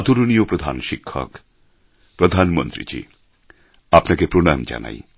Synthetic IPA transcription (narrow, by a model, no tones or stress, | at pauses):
t̪uɾoniopɾod̪ʱanʃikʰːɔ̰k | pɾod̪ʱanmont̪ɾḭd͡ʑḭ | apnakepɾonɔjomd͡ʑa̰na̰j